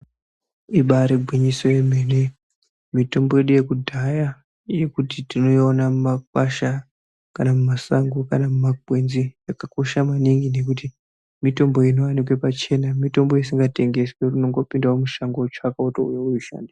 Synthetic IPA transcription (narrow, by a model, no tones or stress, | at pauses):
iɓaɾeɡʱwiɲiso̞jeme̞ne | mito̞mbo̞je̞ɗuje̞kudʱaja | je̞kutitino̞jonamumak̚waʃa | kanamumasaŋɡukanamumakwe̞nzijakako̞ʃamaniŋɡine̞kuti | mito̞mbo̞inoʋanik̬we̞pat͡ʃe̞namito̞mbo̞isiŋɡate̞ŋɡe̞swerino̞ŋɡo̞pindaomuʃaŋɡot͡ʃakautoṵjouiʃa̰ːndi